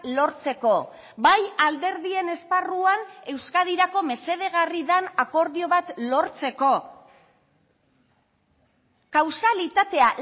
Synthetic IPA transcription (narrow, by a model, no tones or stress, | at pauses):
lo̞ɾt͡se̞ko̞ | bajald̪e̞ɾðie̞ne̞sparuane̞wskað̞iɾako̞me̞se̞ð̞e̞ɣariðanako̞ɾðio̞βat̪lo̞ɾt͡se̞ko̞ | kawsalit̪at̪e̞a